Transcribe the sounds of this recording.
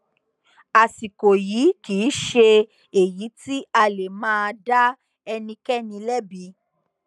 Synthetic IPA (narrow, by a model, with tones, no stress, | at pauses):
a˨si˨ko˨ji˨˦kiː˨˦ʃe˧ | e˨ji˨˦ti˦a˧le˨mãː˦˧da˦ | ɛ˧nĩ˧kɛ˦nĩ˧lɛ˦bi˨˧˦